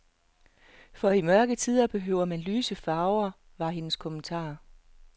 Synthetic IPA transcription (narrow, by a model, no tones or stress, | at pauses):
fɒ̽imɶɐɡ̥ət͡sʰiðˠɐb̥e̝ɦøʊ̰ɐmænlyːsəfɑ̈ʊɐ | ʋɑ̈ɦe̝nəskʰɔ̽mənt͡sʰɑ̰̈ː